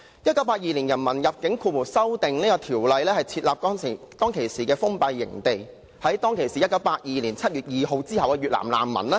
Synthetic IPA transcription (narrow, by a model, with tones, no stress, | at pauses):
jɐ˥t̚kɐ˨˥wpaː˧t̚jiː˧li˨˩njɐ˨˩nmɐ˨˩njɐ˨p̚kɪ˨˥ŋkʰuː˧wu˨˩sɐ˥wt̪ɪ˨ŋniː˥kɔː˧t̪ʰiː˨˩wlɐ˨jlɛː˥hɐ˨jt͡sʰiː˧t̚laː˨p̚kɔː˥ŋsɪ˨˩ | t̪ɔː˥ŋkʰe˨˩jsiː˨˩kɛː˧fʊ˥ŋpɐ˧jːɪ̰˨˩ŋt̪e˨j | hɐ˨˥jt̪ɔː˥ŋkʰe˨˩jsiː˨jɐ˥t̚kɐ˨˥wpaː˧t̚jiː˨˧liː˨˩nt͡sʰɐ˥t̚ɥyː˨˩t̚jiː˨ɦo˧wt͡siː˥hɐ˨wkɛː˧ɥyː˨t̚la̰ː˨˩mla̰ː˨˩mːɐ̰˨˩nlɛː˥